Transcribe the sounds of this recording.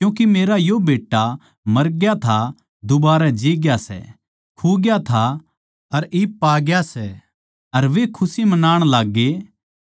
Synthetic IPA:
kjũːk̬imeːɾajobeːʈːa | mɐɾɡjat̪ʰa | d̪ʊbaːɾɛd͡ʒiːɡjasɛ̰ | kʰuːɡjat̪ʰa | ɐɾiːpːaːɡjasɛ | ɐɾʋekʰʊsimɐnaːɽ̃laːɡːe

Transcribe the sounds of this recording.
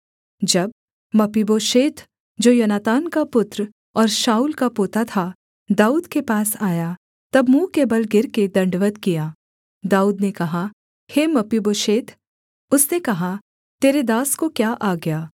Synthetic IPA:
d͡ʒɐb̚ | mɐpiboːʃeːt̪ʰ | d͡ʒoːjɐnaːt̪aːnkapʊt̪ɾ | ɔːɾʃaːuːlkapoːt̪at̪ʰa | d̪aːuːd̪kepaːsaːja | t̪ɐbmũːkebɐlɡɪɾked̪ɐ̃ɳɖʋət̪kijaː | d̪aːuːd̪nekɐɦa | hemɐpiboːʃeːt̪ʰ | ʊsnekɐɦa | t̪eːɾed̪aːskokjaːʔaːɡɐjaː

